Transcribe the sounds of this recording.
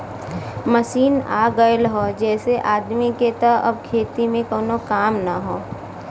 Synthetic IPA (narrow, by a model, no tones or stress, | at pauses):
məsiːna̰ːɡəlɦoːd͡ʒɛːseʔaːd̪miket̪oɐ̰bkʰeːt̪imẽkoːnokaːmnaɦoː